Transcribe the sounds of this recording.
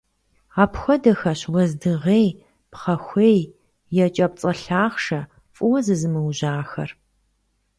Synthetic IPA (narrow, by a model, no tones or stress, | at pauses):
aːpxʷɔdɐxɐɕwɐzdɨʁeːj | pχɐxʷeːj | jɛt͡ʃʼɐp̚t͡sʼɐɬaːχʂɐ | fʼʊwɐzɨzɨmɨwʒaːxɐ̰r